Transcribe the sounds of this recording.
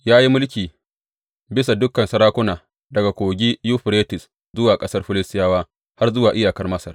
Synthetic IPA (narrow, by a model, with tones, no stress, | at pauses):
jaː˦ji˦mʊ˦lkʲiː˨ | bɪ˦sa˨dʊ˦kːɐ˨nsɐ˨ɾaː˦kʷʊ˦naː˨ | dɐ˨ɡa˨kʷoː˨ɡʲiː˦ju˦ɸɾeː˦tɪ˨s | zʊ˦waː˨kʼɐ˦sɐ˦rɸɪ˦lɪ˦stɪ˦jaː˦waː˦ | ha˦rzʊ˦waː˨ʔɪ˦jaː˨kɐ˦rmɐ˦sɐ˨r